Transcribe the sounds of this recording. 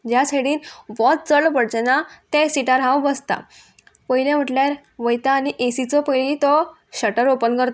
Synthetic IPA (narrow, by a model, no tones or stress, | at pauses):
d͡ʑjaseɽiːnʋɔt̪̚t͡səɭpəɽd͡ʑɛnat̪ɛ̃siʈaɾɦãwbəst̪a̰ | pəɦiljam̤əʈljaɾ | ʋəjt̪aːniʔesit͡sɔpəilit̪ɔ | ɕəʈəɾopənkəɾt̪